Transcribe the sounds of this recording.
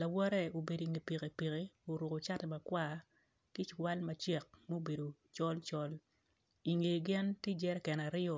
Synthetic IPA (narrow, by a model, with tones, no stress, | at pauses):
la˨wɔ˦ɾɛ˦˨o˨be˨di˨ŋe˨pi˨ke˨pi˨ke˨o˨ɾʊ˨ko˨t͡ʃa˦tɛ˨ma˨kwa˦ | ki˦t͡ʃwa˦lmɐ˨t͡ʃɛ˨k̚mɛ˦o˦˨be˨do˨ | t͡ʃɔ˦lt͡ʃɔ˦l | i˨ŋe˨ɡɪ˦ntje˦d͡ʒɛ˦ɾɛ˦kɛ˨na˨ɾɪ˦ɔ˨